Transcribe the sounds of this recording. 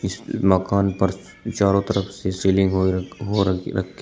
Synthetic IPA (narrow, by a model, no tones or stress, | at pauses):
ɪsmɐkaːnpɐɾ | t͡ʃaːɾõt̪ɐɾəfsesiːlɪ̃ŋɡɦoɦoɾɾɐ̰kʰːe